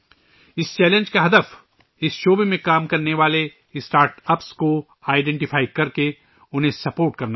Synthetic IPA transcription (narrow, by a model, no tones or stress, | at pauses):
ɪst͡ʃɛːlẽɲd͡ʒkaɦɐd̪əf | ɪsʃoːbemẽkaːmkɐɾneʋaːle | ɪsʈaːɾʈɐpsko | aːɪɖɛ̃ːɳʈɪfʰaːɪkɐɾke | ʊnɦẽsɐpoːɾʈkɐɾna